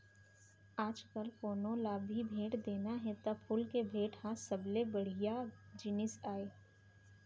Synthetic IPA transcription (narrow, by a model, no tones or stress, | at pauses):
aːd͡ʒkəlfoːnõlaːbʱibʱeːʈd̪eːnaɦɛt̪ɐpʰʊlkebʱeːʈhãsɐblebɐɽ̤ɪjad͡ʒɪnɪsaːeː